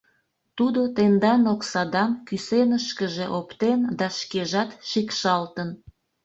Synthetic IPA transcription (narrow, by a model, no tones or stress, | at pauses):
t̪ud̪ot̪end̪ɑnoksɑd̪ɑnkysenəʃkəʒeʔopt̪end̪ɑʃkeʒɑt̪ʃikʃɑlt̪ən